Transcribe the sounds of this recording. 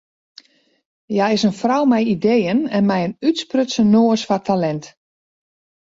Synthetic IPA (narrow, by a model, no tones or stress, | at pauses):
jaɪsənfrawmɛjidejənɛnmɛjənytsprøtsənoəsfatʰalɛnt